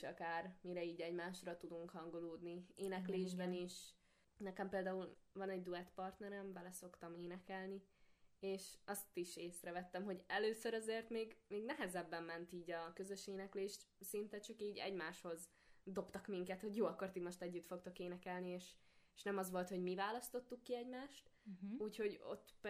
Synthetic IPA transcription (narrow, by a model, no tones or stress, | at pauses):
ʃɒkaːrmiɾɛiːɟɛɟmaːʃrɒt̪ud̪uŋkhɒŋɡo̞loːd̪nieːnɛkleːʒbɛniʃ | nɛkɛmpeːld̪aːulvɒnɛɟ̚d̪uɛt̪pɒrt̪nɛɾɛmbɛlɛso̞kt̪ɒmeːnɛkɛlnieːʃɒst̪iʃeːsrɛvɛt̪ːɛmɦo̞ɟɛløːsøɾɒzeːrt̪meːɡmeːɡnɛɦɛzɛbːɛmːɛnt̪iːɟɒkø̞zø̞ʃeːnɛkleːʃt̪sint̪ɛt͡ʃɒkiːɟɛ̰ɟmaːʃho̞z | d̪o̞pt̪ɒkmiŋkɛt̪ho̞ɟjoːɒkːort̪imo̞ʃt̪ɛɟːyt̪fo̞k̚t̪o̞keːnɛkɛlnieːʃʃnɛmɒzʋo̞lt̪ho̞ɟmivaːlɒst̪o̞t̪ːukːiɛɟmaːʃt̪uːcho̞ɟo̰t̪ː